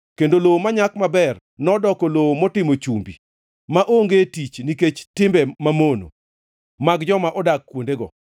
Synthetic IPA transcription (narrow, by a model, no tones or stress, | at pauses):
kendolowomaɲakmabɛr | nɔdɔkɔlowomɔtɪmot͡ʃumbḭ | maʔoŋɡetit͡ʃniket͡ʃtɪmbɛmamono̰ | maɡd͡ʒɔmaʔɔdakːwondeɡɔ̰